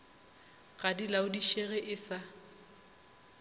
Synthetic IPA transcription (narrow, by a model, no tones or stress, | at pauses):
ɣadilaʊdiʃeɣɛʔɪsa